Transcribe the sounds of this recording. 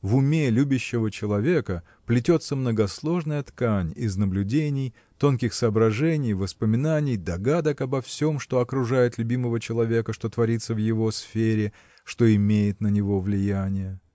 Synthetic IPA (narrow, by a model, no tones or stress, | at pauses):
vʊmʲe̞lʲubʲɪɕːɪvət͡ɕɪlˠɐvʲe̞kə | plʲɪtʲo̞t̪səmnəɡɐslˠo̞ʐnəjət̪kanʲɪznəblʲʉdʲenʲɪj | t̪o̞nkʲɪxsɐːbɾɐʐɛnʲɪjvəspəmʲɪnanʲɪjd̪ɐɡad̪əkɐbɐfsʲo̞mʂt̪o̞ɐkɾʊʐajɪt̪lʲʉbʲiməvət͡ɕɪlˠɐvʲe̞kəʂt̪o̞t̪vɐɾʲit̪sːəvjɪvo̞sfʲeɾʲɪ | ʂt̪o̞ɪmʲejɪt̪nənʲɪvo̞vlʲɪjanʲɪjə